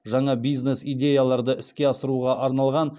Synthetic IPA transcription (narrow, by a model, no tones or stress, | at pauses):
ʒɑɴɑbijzne̞sijd̪ʲe̞jalˠɑɾd̪əʔɪskʲe̞ɑsəɾuʁɑʔɑɾnɑlˠʁɑn